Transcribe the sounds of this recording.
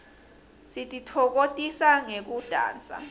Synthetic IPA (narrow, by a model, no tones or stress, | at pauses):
sitʼitʰɔk̬otʼisaŋek̬ud̥ʱa̰ːnt͡sʼa̰